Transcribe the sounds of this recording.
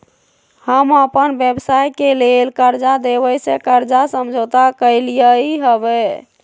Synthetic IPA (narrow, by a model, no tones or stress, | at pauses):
həməpənbjəbsajkelelkəɾd͡ʒad̪eβəsekəɾd͡ʒasəmd͡ʒʱot̪akəɪlijəiɦəbɛ